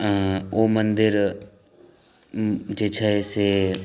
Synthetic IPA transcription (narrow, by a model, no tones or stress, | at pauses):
omənd̪ɪɾ | d͡ʒeːt͡ʃʰɛese